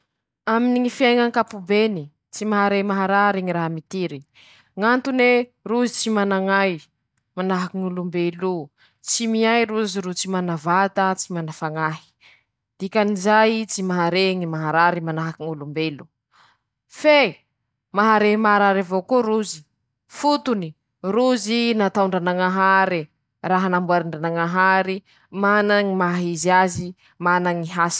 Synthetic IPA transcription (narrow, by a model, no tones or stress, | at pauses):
aminiŋifiajŋaŋkapubeni | t͡simaɦaɾemaɦaɾaɾeŋiɾaɦamit̪iɾi | ŋant̪uneruzit͡simanaŋaj | manaɦakiŋulumbelu | t͡simiajɾuziɾut͡simanavat̪at͡simanafaŋaɦi̥ | d̪̥ikʲanizajit͡simaɦaɾeŋimaɦaɾaɾimanaɦakiŋulumbelu | fe | maɦaɾeimaaɾaɾavokoɾuzi̥ | fut̪uni | ruzinat̪auɳɖ͡ʐanaŋaɦaɾi | raɦanambuaɾiɳɖ͡ʐanaŋaɦaɾi | manaŋimaɦizazi | manaŋiɦas